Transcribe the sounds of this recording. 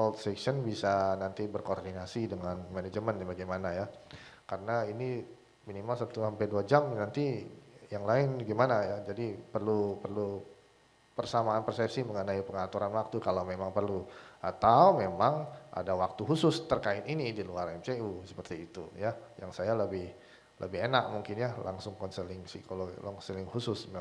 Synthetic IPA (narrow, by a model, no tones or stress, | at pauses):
sɔlt̪sɛkʃənbisanant̪ibərkordinasidəŋanmaned͡ʒəmənabaɡajmanajakaɾənaini | minimalsat̪uhampɛduad͡ʒamnant̪ijaŋlaɪnbaɡimanajad͡ʒadipərlupərlu | pərsamaːnpərsɛp̚siməŋənaipəŋat̪uɾanwak̚t̪ukalawmemaŋpərluat̪awmemaŋʔa̰dawak̚t̪uɦusʊst̪ərkaɪt̪inidiluarɛmt͡ʃeusə̥pərt̪iːt̪ṵjajaŋsajaləbɪh | lʔə̰bɪhenak̚muŋkɪnjalʔa̰ŋsʊŋkɔnsəlɪŋsikolɔɡlɔŋsəlɪŋhusʊsm